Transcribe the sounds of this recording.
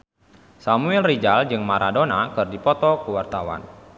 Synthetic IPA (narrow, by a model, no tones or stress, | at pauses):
samuɛlrid͡ʒald͡ʒɨŋmaɾʔadonakɨrdipɔt̪ɔkəwart̪awa̰n